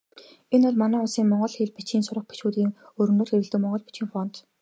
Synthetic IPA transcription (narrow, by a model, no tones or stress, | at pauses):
enʊɮmanæːʊsiːŋmɔɴɢɞ̆ɮxiɮpit͡ɕiːnsʊɾə̆χ̚pit͡ɕuːt̪iːŋ | ɵɾ̆nŏːrxeɾɘ̆ɮt̪ɘ̆kmɔɴɢɞ̆ɮpi̥t͡ɕiːŋfɔn̥t̪